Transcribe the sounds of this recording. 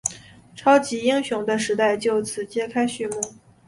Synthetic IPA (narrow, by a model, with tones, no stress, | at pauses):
ʈ͡ʂʰɑ˥ʊt͡ɕi˧˥i˥ŋɕjʊ˧˥ŋd̪ə˧ʂɻ̩˧˥t̪a˥˩ɪt͡ɕjo˥˩ʊt͡sʰɹ̩˨˩t͡ɕjɛ˥kʰa˥ɪɕy˥˧mu˥˩